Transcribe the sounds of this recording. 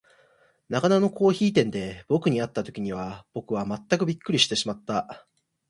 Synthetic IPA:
naɡanano̞ko̞ːçiːt̪ẽ̞nd̪e̞bo̞kɯ̟ɲ̟iat̪ːat̪o̞kʲiɲ̟iβ̞ab̥o̞kɯ̟β̞amat̪ːakɯ̟bʲikːɯ̟ɾʲiɕi̥t̪e̞ɕimat̪ːa

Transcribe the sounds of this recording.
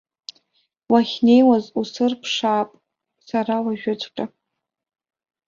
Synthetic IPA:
waχʲne̞jwazusɨrpʰʂaːpʼ | saɾawaʒᶣʊt͡sʷʰʼqʲʼa

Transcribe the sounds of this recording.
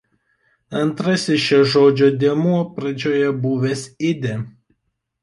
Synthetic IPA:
ɐnt̪ɾɐsʲɪsʃɛʒoːd͡ʒʲoːd̪ʲiɛmuɔpɾɐd͡ʒʲoːjɛbʊːʋʲɛsɪd̪ʲe

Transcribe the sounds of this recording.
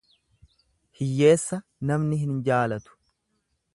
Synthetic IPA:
hɪjːe̞ːsːɐnɐmnɪɦɪnd͡ʒaːlɐt̪ʊ̥

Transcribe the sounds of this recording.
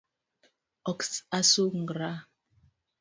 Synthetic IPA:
ɔksasoŋ̩ɡɾa

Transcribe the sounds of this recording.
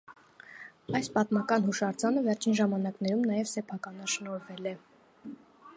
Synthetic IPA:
ɑjspɑt̪mɑkɑn̪huʃɑɾd͡zɑnəvɛɾt͡ʃʰinʒɑmɑn̪ɑknɛɾumnɑjɛvsɛpʰɑkɑnɑʃnɔɾvɛlɛ

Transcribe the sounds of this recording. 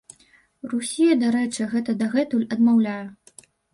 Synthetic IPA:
rusʲijɐd̪aɾɛt͡ʂɨɣɛt̪ɐd̪aɣɛt̪ulʲɐd̪mawlʲajɐ

